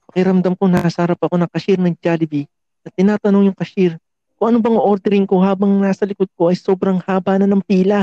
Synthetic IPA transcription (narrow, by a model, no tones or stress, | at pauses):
pɐkɪɾɐmd̪amkonɐasɐhɐɾapɐko̞nɐŋkɐʃiɾnɐŋd͡ʒalɪbi | nɐt̪ːɪnaːt̪ɐno̞ŋjʊŋkɐʃiɾ | kʊŋʔɐnobɐŋʔo̞ɾd̪ɛɾɪŋko̞ɦaːbɐŋnaːsɐlɪkod̪̚ko̞ʔɐjso̞ːbɾɐŋhaːbaːnɐnːɐŋpiːlɐ